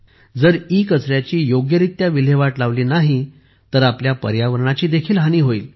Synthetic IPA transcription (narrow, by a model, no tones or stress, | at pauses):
d͡zəɾikət͡sɾjat͡ɕiːjoɡjəɾit̪ːjaʋil̤eʋaʈlaʋliːnaɦi | t̪əɾapljapə̰ɾjaʋəɾɳat͡ɕiːd̪ekʰiːlɦañiːɦoiːl